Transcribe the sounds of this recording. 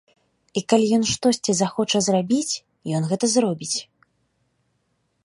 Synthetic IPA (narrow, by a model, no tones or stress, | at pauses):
ikalʲijɔn̪ʂt̪ɔsʲt͡sʲizaxɔt͡ʂɐzrabʲit͡sʲ | jɔnɣɛt̪ɐzrɔbʲit͡sʲ